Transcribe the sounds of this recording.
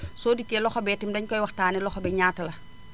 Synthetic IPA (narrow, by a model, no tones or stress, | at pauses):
soːdikːelɔxɔbɛtimdɐɲkɔjwɐxtaːnilɔxɔbɛɲaːtɐlɐ